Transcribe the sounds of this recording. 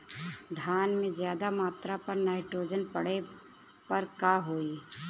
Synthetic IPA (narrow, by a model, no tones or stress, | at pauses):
d̪ʱjaːnmẽzjaːd̪amaːt̪ɾapəɾnaːɪʈɾoːd͡ʒənpəɽ̤e | pɐɾkaɦoːi